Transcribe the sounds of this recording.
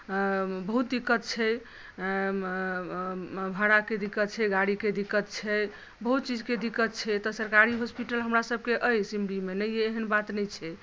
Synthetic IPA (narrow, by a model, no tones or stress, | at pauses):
bəɦut̪̚d̪ikːət̪̚t͡ʃʰɛ | bʱəɽaked̪ikːət̪t͡ʃʰɛɡaɽiked̪ikːət̪̚t͡ʃʰɛ | bəɦut̪t͡ʃid͡ʒked̪ikːət̪̚t͡ʃʰɛt̪ɔsəɾkaɾiɦospiʈəlɦəmɾasəb̚ʱkeʔəjsimɽimenəjeːɦənbat̪nɛjt͡ʃʰɛ